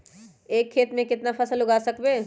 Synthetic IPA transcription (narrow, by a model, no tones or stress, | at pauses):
eːkʰːeːt̪mẽkɪt̪nafɐsəlʊɡaːsɐkbeː